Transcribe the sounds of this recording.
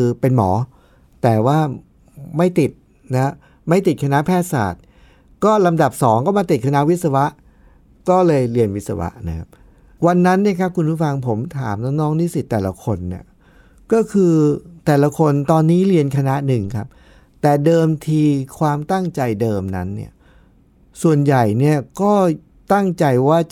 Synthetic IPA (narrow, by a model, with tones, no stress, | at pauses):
kʰɯː˧pe˧nmɔː˩˦ | t̪ɛː˨˩waː˥˩ | ma˥˩jt̪i˨˩t̪̚ | na˦˥ | ma˥˩jt̪i˨˩kʰa˧na˦˥pʰɛː˥˩sa̰ː˨˩t̪̚ | kɔː˥˩la˧mda˨˩p̚sɔː˩˦ŋkɔː˥˩maː˧t̪i˨˩t̪̚kʰa˧na˦˥ʔwi˦˥t̪̚sa˧wa˦˥ʔ | kɔː˥˩lɤː˧jli˧ənwi˦˥t̪̚sa̰˧wa̰˦˥ʔna˦˥kʰa˦˥p̚ | wa˧nːa˦˥nːi˥˩əkʰa˦˥p̚kʰu˧npʰuː˥˩fa˧ŋpʰo˩˦mt̪ʰa̰ː˩˦mnɔː˥˩ŋnɔː˦˥ŋniː˥˩si˨˩t̪ːɛː˨˩la̰˧kʰo˧nːi˦˥˩ | kɔː˥˩kʰɯː˧t̪ɛː˨˩la˧kʰo˧nt̪ɔː˧nːiː˦˥li˧ənkʰa˧na˦˥ʔnɯ˨˩ŋkʰa˦˥p̚ | t̪ɛː˨˩dɤː˧mt̪ʰiː˧kʰwaː˧mt̪a˥˩ŋt͡ɕa˧jdɤː˧mna̰˦˥nːḭ˥˩ɐ | su˨˩ənja˨˩jni˥˩ɐkɔː˥˩ | t̪a˥˩ŋt͡ɕa˧jwaː˥˩